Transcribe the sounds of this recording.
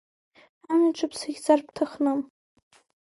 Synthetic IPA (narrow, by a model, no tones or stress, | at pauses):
anaʈ͡ʂʰʼɨpʰsaɡʲt͡sʼarptʰaχnɨm